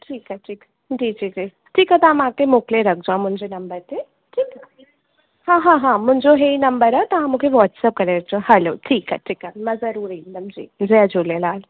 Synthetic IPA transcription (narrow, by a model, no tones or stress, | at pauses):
ʈʰiːkaʈʰiːk | d͡ʒiːd͡ʒiːd͡ʒiː | ʈʰiːkɦat̪ɐamãkemoːkleɾɐk̚d͡ʒoãmʊ̃ɲd͡ʒenɐmbəɾt̪e | ʈʰiːka | hãːɦãɦãmʊ̃ɲd͡ʒoɦeinɐmbəɾət̪ɐɦãmukʰeʋɔːʈsəp̚kɐɾeɾɐk̚d͡ʒãɦɐloːʈʰiːka̰ʈʰiːkamɐ̃zɐɾuːɾid̪ɐmd͡ʒḭːd͡ʒead͡ʒolelaːl